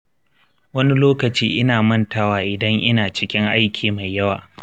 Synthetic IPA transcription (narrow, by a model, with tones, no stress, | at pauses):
wɐ˦ni˦loː˦kɐ˨t͡ʃiː˦ʔɪ˦naː˨mɐ˦ntaː˦waː˦ʔɪ˨dɐ˦ŋʔɪ˦naː˨t͡ʃɪ˦kʲɪ˦ŋʔa˦jkʲiː˨ma˨jːɐ˦waː˨